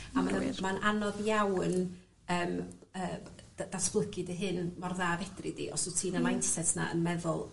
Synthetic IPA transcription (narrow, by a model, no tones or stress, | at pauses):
amanmanʔanɔðjawn | əːməːddasb̥lˠəɡɨdəɦɨnmɔrðaːvɛdrɪdḭʔɔsutʰiːnəmajnsɛtʰna̰ə̰nmɛðʊlˠ